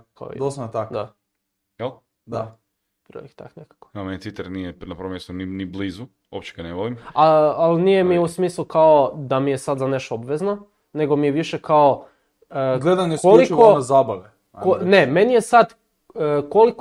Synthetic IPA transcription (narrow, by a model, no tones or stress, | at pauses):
ka̰d̪ost̪akd̪a̰ | el | d̪a̰ | pɾo̰ixt̪a̰knekḁko̥amenet̪it̪aɾnijenapɾomjest̪uninibliːzu | opt͡ʃe̥ɡaneʋolimaalnijemiusmiːslˠukaod̪amijesad̪zaneʃt̪oobʋezno | ne̞ɡo̞mijeʋiʃekao | əɡled̪aneskolikonazaːbaʋe | koneme̞nije̞sad̪ | kolik